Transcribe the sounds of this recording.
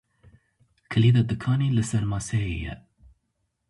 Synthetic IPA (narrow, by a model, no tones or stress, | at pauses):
kʰɨliːd̪ɑd̪ɨkʰɑːnilɨsɛɾmɑːsɛjḛjɛ̰